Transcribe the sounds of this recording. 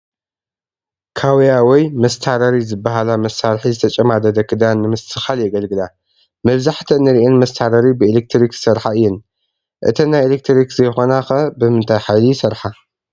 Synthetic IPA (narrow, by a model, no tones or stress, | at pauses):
kʰawijawɔjmɐst̪ʰaɾɐɾizɨbːaɦalamɐsːaɾħizɨt̪ʰɐt͡ʃʼɐmad̪ɐd̪ɐkʰːɨd̪anːɨmɨst̪ʰɨxaljɛɡɐlɡɨla | mɐβzaħt̪ʰɐnɨɾiʔenmɐst̪ʰaɾɐɾibɨelek̚t̪ʰɾiksɐɾħaɨjːɛn | ʔɨt̪ʰɐnajʔelek̚t̪ʰɾikzɐjxo̞naxɐbɨmɨnt̪ʰajħajlisɐɾħa